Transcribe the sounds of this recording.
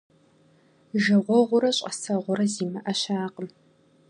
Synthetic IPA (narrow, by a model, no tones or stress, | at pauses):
ʒɨʁʷɔʁʷʊɾɐɕʼɐsɐʁʷʊɾɐziːmɐʔɐʃaːqəm